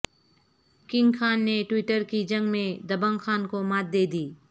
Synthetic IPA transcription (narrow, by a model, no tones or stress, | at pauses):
kɪ̃ŋɡkʰaːnːeʈwɪʈəɾkid͡ʒɐ̃ŋɡmẽd̪ɐbə̃ŋxaːnkomaːt̪̚d̪eːd̪iː